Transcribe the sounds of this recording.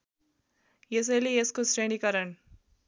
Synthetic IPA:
jes̬elieskosɾeɳikɐɾɐɳ

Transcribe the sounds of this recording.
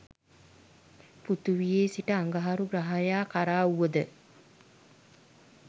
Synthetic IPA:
put̪uʋijeːsiʈəaŋɡaɦaɾuɡɾaɦajaːkaɾaːuʋəd̪ə

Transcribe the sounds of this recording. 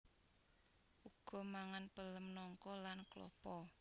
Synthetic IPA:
ʔuɡ̥ɔ̤maŋanpələmnɔŋkɔlanklɔ̰pɔ

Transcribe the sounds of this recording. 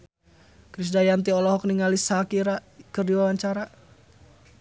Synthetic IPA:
kɾis̬dajant̪iɔlɔɦɔk̚niŋalisakiɾakɨrdiwawaɲt͡ʃaɾa

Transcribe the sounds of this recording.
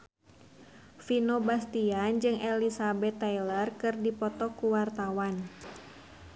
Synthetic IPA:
finobast̪iand͡ʒɨŋʔɛlisabɛt̪ːailərkɨrdipɔt̪ɔkuwart̪awan

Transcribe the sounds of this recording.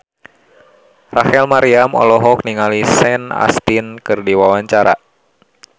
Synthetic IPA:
rahɛlmaɾiamɔ̰lɔɦɔk̚niŋalisɛna̰st̪inkɨrdiwawaɲt͡ʃaɾa̰

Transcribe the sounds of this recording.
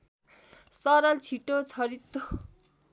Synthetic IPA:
sʌɾʌlt͡sʰiʈot͡sʰʌɾit̪ːo

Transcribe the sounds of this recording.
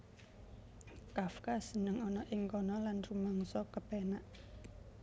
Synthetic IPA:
kafkasənəŋɔnɔʔɪŋkɔnɔlanrumaŋsɔkəpɛnaʔ

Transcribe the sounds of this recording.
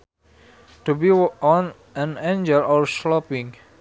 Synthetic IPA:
tubiɔ̃n | ɛ̃nẽnd͡ʒəlɔɹslɔpĩŋ

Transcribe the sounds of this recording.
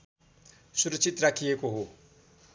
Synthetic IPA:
suɾət͡sit̪rakʰijekoɦo

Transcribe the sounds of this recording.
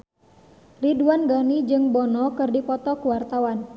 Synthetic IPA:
riduanɡɔnid͡ʒɨŋbɔnɔkɨrdipɔt̪ɔkuwart̪awan

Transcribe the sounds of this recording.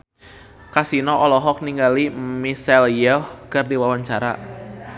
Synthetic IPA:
kasinɔʔɔlɔɦɔk̚niŋɡalimisɛljɔhkɨrdiwawaɲt͡ʃaɾa̰

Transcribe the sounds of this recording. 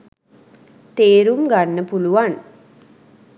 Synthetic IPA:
t̪eːɾumɡanːəpuluʋan

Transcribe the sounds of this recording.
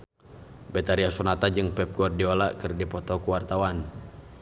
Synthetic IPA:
bɛt̪aɾiasunat̪ad͡ʒɨŋpɛp̚ɡɔrdiolakɨrdipɔt̪ɔkuwart̪awan

